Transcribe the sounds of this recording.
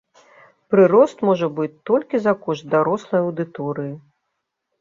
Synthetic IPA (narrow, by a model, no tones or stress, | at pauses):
pɾɨɾɔst̪mɔʐɐbɨt͡sʲt̪ɔlʲkʲizɐkɔʐt̪̚d̪aɾɔslˠɐjɐwd̪ɨt̪ɔɾɨji